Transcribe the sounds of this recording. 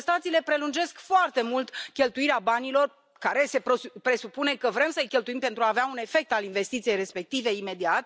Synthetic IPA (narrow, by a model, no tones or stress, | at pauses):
st̪at̪siːle̞pɾe̞lund͡ʒe̞skfoart̪e̞mult̪kʲe̞lt̪uiɾeabanilo̞r | kaɾe̞se̞opɾe̞supune̞kəvɾe̞msəjkʲe̞lt̪uimpent̪ɾuaːveaune̞fe̞k̚t̪alinve̞st̪it̪sijejre̞spe̞k̚t̪ive̞ime̞d̪iat̪̚